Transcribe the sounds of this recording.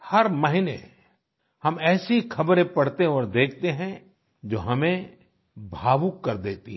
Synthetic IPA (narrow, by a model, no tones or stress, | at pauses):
hɐɾmɐɦɪnḛ | hɐmɛːsikʰɐbɾẽpɐɽt̪eɔːɾd̪eːkʰt̪eɦɛ̃ | d͡ʒoːɦɐmẽ | bʱaːʋukːɐɾd̪eːt̪iɦ